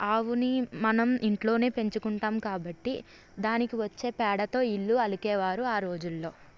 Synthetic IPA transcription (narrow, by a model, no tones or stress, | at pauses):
aːʋunimɐnɐmiɳʈlo̞ːne̞ːpe̞ɲt͡ʃukuɳʈaːmkaːbɐʈːḭ | d̪aːnikiʋɐt͡ʃːe̞ːpɛːɽɐt̪o̞ːiɭːuɐlukɛːʋaːɾuaːɾo̞ːd͡ʒulːo̞ː